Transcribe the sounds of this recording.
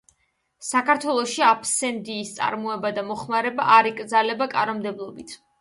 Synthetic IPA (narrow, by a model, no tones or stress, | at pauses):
sakʰaɾt̪ʰwɛlˠɔʃiapʰsɛnd̪iːst̪sʼa̰ɾmɔɛbad̪amɔχmaɾɛbaʔaɾikʼɾd̪zalɛbakʼanɔmd̪ɛblˠɔbit̪ʰ